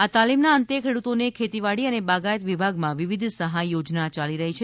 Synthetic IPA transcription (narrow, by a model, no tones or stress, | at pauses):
at̪alimnaənt̪ekʰeɽut̪onekʰet̪iʋaɽiənebaɡajət̪ʋibʱaɡmãʋiʋid̪ʱsəɦajːod͡ʒnat͡ʃaliɾəɦit͡ʃʰe